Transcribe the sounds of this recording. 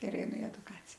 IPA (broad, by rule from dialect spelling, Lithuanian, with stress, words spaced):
ɪr ɛɪˈnʊ ɪ ɛdʊˈkɑːt͡sʲɪjɛ